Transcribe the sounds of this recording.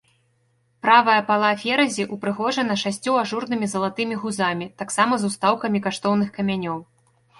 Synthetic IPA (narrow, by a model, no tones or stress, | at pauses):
pɾavɐjɐpalˠafʲɛɾɐzʲiʔupɾɨɣɔʐɐnɐʂasʲt͡sʲuaʐurnɨmʲizɐlˠat̪ɨmʲiɣuzamʲit̪aksamɐzust̪awkɐmʲikaʂt̪ɔwnɨxkɐmʲanʲɔw